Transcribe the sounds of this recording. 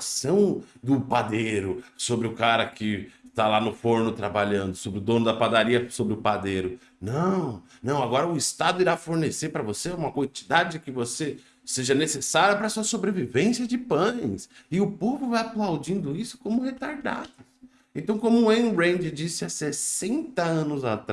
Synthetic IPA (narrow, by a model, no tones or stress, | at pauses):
sɐ̃w̃d̪ʊpad̪eɾʊsobɾɪʊkaɾɐkɪt̪alanʊfoɾnʊt̪ɾabaʎɐ̃nd̪ʊsobɾɪʊd̪õnʊd̪ɐpad̪aɾiɐsobɾɪʊpad̪ejɾʊ | nɐ̃w̃ | nɐ̃w̃aɡɔɾɐʊist̪ad̪ʊiɾafoɾneseɾpɾɐvoseũmɐkwɐ̃t͡ʃi̥d̪ad͡ʒɪd͡ʒɪkɪvose | seʒɐnesesaɾjɐpɾɐsuɐsobɾevivẽsjɐd͡ʒɪpɐ̃j̃sɪʊpovʊvajaplawd͡ʒĩnd̪ʊisʊ̥kõmʊhet̪aɾd̪a̰d̪ʊ | ẽnt̪ɐ̃w̃kõmʊẽnɾẽj̪̃d͡ʒɪd͡ʒisɪasesẽnt̪ɐɐ̃nʊzat̪ɾ